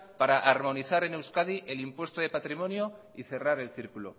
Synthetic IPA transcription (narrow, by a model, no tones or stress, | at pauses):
paɾaʔaɾmo̞niθaɾe̞newskaðiʔelimpwe̞st̪oðe̞pat̪ɾimõ̞njo | iθe̞raɾe̞lθiɾkulo̰